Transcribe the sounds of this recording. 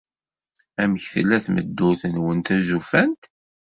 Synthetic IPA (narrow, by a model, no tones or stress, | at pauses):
æməçθə̰lːæθmə̰d̪ːʊθənwənt̪æzufænt̪